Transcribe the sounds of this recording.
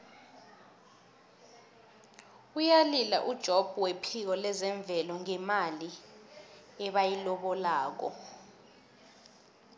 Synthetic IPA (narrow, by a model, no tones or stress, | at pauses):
ujalila̰ʔud̥ʒ̥ʱob̥ʱuwepʰik̬ɔlɛzɛɱb̪vʱɛlɔŋɛmali | ɛɓajilɔɓɔlaːk̬ɔ̰